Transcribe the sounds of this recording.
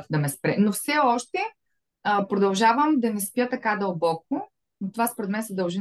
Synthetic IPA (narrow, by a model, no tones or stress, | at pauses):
t̪d̪ɐmɛspɾɛnofsɛɔʃt̪ɛ | pɾod̪ɐlˠʒavəmd̪ɐnɛspjət̪ɐkad̪ɐlˠbɔk̚o | t̪ovaspoɾɛt̪mɛnsɐd̪ɐlˠʒi